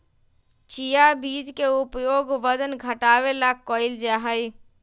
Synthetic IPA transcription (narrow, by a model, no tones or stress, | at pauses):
t͡ʃijabiːd͡ʒkeʊpjoːɡʋəd̪ənɡʱəʈaːʋelakːɔːɪld͡ʒaːɦəj